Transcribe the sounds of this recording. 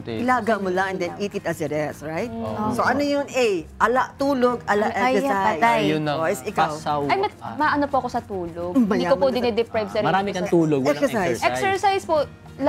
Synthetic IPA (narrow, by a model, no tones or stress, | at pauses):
ɪlaːɡɐmolɐŋɛnd̪ɛnʔiːt̪ɪt̪ɐsɛɾɛsɹajt̪osoʔɐnojonɛjʔɐlaʔt̪uːloɡʔɐlaʔɛɛsaɐt̪ajʊoʔɪsɪkawwawɐjmɐmaʔɐnopoɐkosɐt̪uːloɡbɐj̪iakopoɪnɛd̪ɛpɾajvsɛɾmɐɾaːmɪkɐt̪uːloɡɛksɛsajɛssɛɹsajspo | l